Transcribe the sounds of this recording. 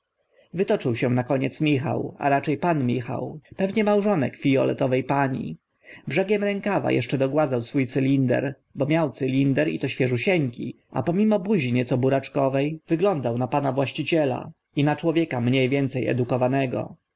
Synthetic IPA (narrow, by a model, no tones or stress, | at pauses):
vɘt̪ɔt͡ʂɘwɕɛnakɔɲɛt̪smʲixa̰wa̰ɾat͡ʂɛjpanmʲixa̰wpɛvɲɛmawʐɔnɛkfʲijɔlɛ̰t̪ɔvɛjpaɲḭ | bʐɛɡʲjɛmɾɛŋkava̰jʔɛ̰ʂt͡ʂɛd̪ɔɡwad̪zawsfujt̪sɘlʲind̪ɛ̰ɾ | bɔmʲjawt̪sɘlʲind̪ɛɾḭt̪ɔɕfʲjɛʐuɕɛŋkʲḭ | ʔa̰pɔmʲimɔbuʑiɲɛt̪sɔbuɾat͡ʂkɔvɛjvɘɡlɔnd̪awnapanavwaɕt͡ɕit͡ɕɛla̰ | inat͡ʂwɔvʲjɛkamɲejvʲjɛnt̪sɛjɛ̰d̪ukɔvanɛɡɔ̰